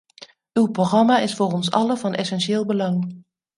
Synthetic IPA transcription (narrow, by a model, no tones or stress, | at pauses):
ywproχrɑmaɪsfoːrɔnsɑ̰ləvɑnʔɛsɛnʃɪːlˠbəlɑŋ